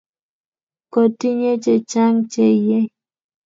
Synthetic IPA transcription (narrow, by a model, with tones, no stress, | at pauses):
ko˨ti˦ɲe˦t͡ʃe˨t͡ʃa˦ŋt͡ʃe˦˨je˦